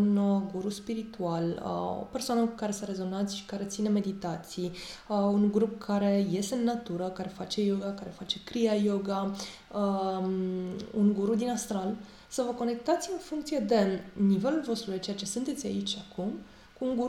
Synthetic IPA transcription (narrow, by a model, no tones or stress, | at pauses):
unɡuɾuspiɾit̪ualə̰o̞̰pe̞rsoanəkukaɾe̞səɾe̞zo̞nant̪sʲʃi̥kaɾe̞t̪sine̞me̞d̪it̪at̪siəuŋɡɾup̚kʰaɾe̞je̞st̪eɨnːat̪uɾəkaɾe̞fat͡ʃe̞jo̞ɡakaɾe̞fat͡ʃe̞kɾiajo̞ɡa | ə | uŋɡuɾud̪inast̪ɾal | səvəko̞ne̞k̚t̪at̪sʲɨnfuŋk̚t̪sije̞d̪e̞nive̞lulvo̞st̪ɾuj̪et͡ʃe̞jat͡ʃe̞sunt̪e̞t̪sʲa̰it͡ʃʲakum | kuːŋɡu